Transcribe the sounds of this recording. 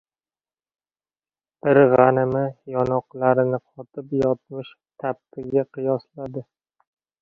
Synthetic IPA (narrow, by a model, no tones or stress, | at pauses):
b̥ɪɾʁɑnɪmɪjɒnɒqlˠaɾɪnɪqʰɒt̪ʰɪpjɒt̪̚mɪʃ | t̪ʰap̚t̪ɪɡʲaqʰɨjɒslad̪ɪ